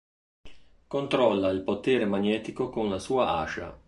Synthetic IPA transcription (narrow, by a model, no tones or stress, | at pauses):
kont̪ɾɔlːailpot̪eːɾemaɲɛːt̪ikokonlasuːaʔa̰ːʃa̰